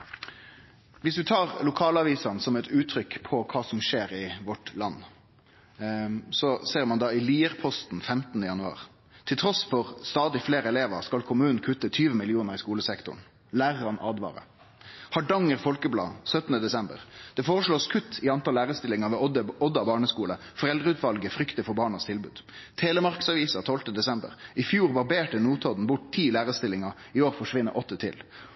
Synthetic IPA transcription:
ʋɪsʋɪt̪ʰɑːʁlʊkʰɑːlɑʋiːsɑnsɔmɛt̪ʉːt̪ʰɾʏkpʰɔkʰɑːsɔmʂeːʁɪʋɔʈlɑnː | sɔseːʁmɑnd̪ɑːɪliːʁpʰɔst̪n̩fɛmt̪ən̩əjɑnʉɑ̰ːʁ | t̪ʰɪlt̪ʰʁɔsfɔʁst̪ɑːd̪ɪfleːʁɛleːʋəʁskɑlkʰʊmʉːnn̩kʰʉt̪ːət̪ʰyːʋəmɪlɪuːnəʁɪskuːləsɛkt̪ʊ̰n | læːʁʁɑnʔɑːd̪ʋɑ̰ːɾə̰ | hɑɖɑŋəʁfɔlkəblɑ̰ːsœt̪ənəd̪ɛsɛmbə̰ʁd̪̥ɛfoːʁəʂɭoːskʰʉt̪ːɪɑnt̪ʰɑlːæːʁəst̪ɪlɪŋɑʋɛːəɔd̪ɑbɑːɳəskuːlə | fɔʁɛld̪ʁəʉːt̪ʋɑlɡəfʁʏkt̪əfɔɾbɑːɳɑst̪ʰɪlbʉ̰ːd̪̥t̪ʰeːlɛmɑʁkə̥sɑʋiːsɑt̪ʰɔlt̪əd̪ɛsɛmbə̰ʁɪfjuːʁʋɑʁbeːʈənuːt̪ʰɔd̪n̩bʊʈ̚t̪ʰiːlæːʁəst̪ɪlːɪŋɑʁ | ɪoːʁfɔʂʋɪnːə̰ɾʔɔt̪ːət̪ʰɪ̰l

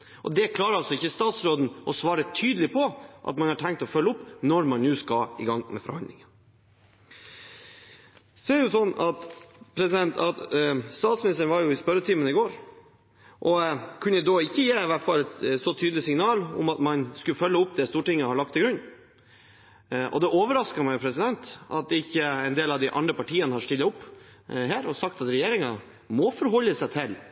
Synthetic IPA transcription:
ʔɔ̰d̪ɛkʰlɑːɾəɑlsɔɪçːəst̪ɑːt̪sɾoːd̪n̩ɔsʋɑːɾət̪ʰyːd̪əlɪpʰɔʔɑ̰t̪mɑnhɑʈʰɛŋkt̪ɔfœlːəʊpːnɔɾmɑnnʉːskɑɪ̰ɡɑŋːmɛ̰fɔɾhɑ̰nd̪lɪŋə | sɔɛɾjʊsɔnːɑt̪pʰɾɛsɪd̪ɛnt̪ɑt̪st̪ɑːt̪smɪnɪst̪əɳʋɑɾjʊɪspœɾːət̪ʰiːmənɪɡoːɾ | ʔɔkʰʉnːəd̪oɪçːəjeːɪʋæʈfɑlːɛt̪sɔt̪ʰyːd̪lɪsɪŋnɑːlɔ̰mɑt̪mɑnskʉlfœlːəʊpːd̪ɛst̪uːʈɪŋːəhɑɭɑk̚t̪ʰːɪɡɾʉnː | ʔɔ̰d̪ɛoːʋəɾɑskɑmæɪʊpʰɾɛsɪd̪ɛnt̪ʔɑ̰t̪̚d̪ɪçːəɛɪnd̪eːlɑʋd̪ɪʔɑnd̪ɾəpɑʈiːənəhɑʂt̪ɪlːɑʊpː | ɦæːɾɔsɑk̚t̪ɑt̪ɾɛjeːɾɪŋɑ | mɔfɔɾɦɔlːəsæɪt̪ʰɪl

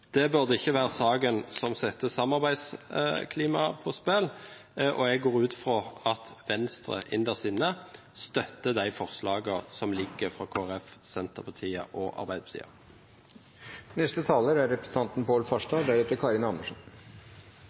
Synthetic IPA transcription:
d̪̥ɛbʉʁd̪əɪçːəʋæːʁəsɑːɡənsɔmsɛt̪ːəsɑmɑʁbæɪd̪skʰliːmɑpʰɔspɛl | ʔɔɛɡɡoːʁʉːt̪fʁoɑt̪ʋɛnst̪ʁə̰ʔɪnd̪əʁsɪnə | st̪œt̪ːəd̪æɪfɔʁslɑːɡəsɔmlɪɡːəʁfɾɑkʰoːæʁɛfsɛnt̪əʁpʰɑt̪ʰiːə̰ʔɔʔɑ̰ʁbæɪd̪əpt̪ḭːɑ̰ | nɛst̪ət̪ʰɑːləɾæɾɾɛpɾəsn̩t̪ɑnt̪npoːlfɑʂdɑd̪æɾʉːt̪əɾkʰɑɾɪnɑnːəʂn

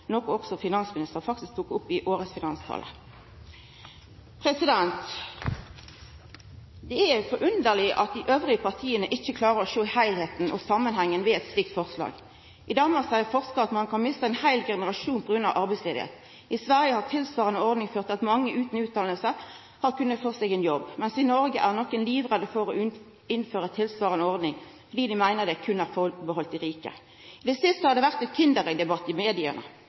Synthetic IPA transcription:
nɔkʊɔksɔfɪnɑnsmɪnɪst̪əʁfɑk̚t̪ɪsk̚t̪ʰuːkʊpːɪʔoːʁəsfɪnɑnst̪ʰɑ̰ːlə̰ | pʰʁɛsɪd̪ɛnt̪ | d̪ɛææfɔɾʔʉnd̪əʁlɪʔɑt̪̚d̪ɪʔøːʋʁɪəpɑʁt̪ʰiːənəʔɪçːəkʰlɑːʁəɔʃoːɪhæɪlheːt̪n̩ʔɔ̰sɑmːənhæŋːənʋɛɛt̪slɪk̚t̪fɔʁslɑ̰ːɡ | ʔɪd̪ɑːmɑʁsæɪəʁfɔʁskəɑt̪mɑnkʰɑnmɪst̪əɛnhæɪlɡɛnəʁɑʃuːnpʰɔɡɾʉnɑʋʔɑʁbæɪsleːd̪ɪ̰ḛːt̪ | ɪsʋæʁjəhɑʁt̪ʰɪlsʋɑːʁənəɔʁd̪nɪŋføːʁt̪ɑt̪mɑŋːəʔʉːt̪n̩ʉːt̪ʰɑːləlsə | hɑʁkʉnːət̪fɔʁseːɡɛnjɔbːmɛnsɪnɔʁɡəʔæʁnɔkːənliːʋʁəd̪əfɔʁo | ɪnføːʁət̪ʰɪlsʋɑːʁənɔʁd̪nɪŋfɔʁd̪iːd̪ɪmæɪnəʁd̪ɛkʰʉnæːʁfɔbəɦɔlt̪ɪʁiːkə̰ | d̪ɛsɪst̪əhɑʁd̪ɛʋæʁt̪ɛt̪kʰɪnd̪əʁɛɡd̪ɛbɑt̪ːɪmeːd̪ɪə̰nə̰

